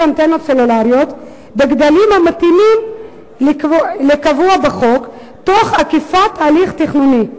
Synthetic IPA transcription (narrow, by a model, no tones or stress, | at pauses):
ant̪enotselulaʁjo̞t̪ | beɡd̪alimhamat̪imim | lekavuabeχo̞k | t̪o̞χakifat̪ːaːliχt̪iχnuni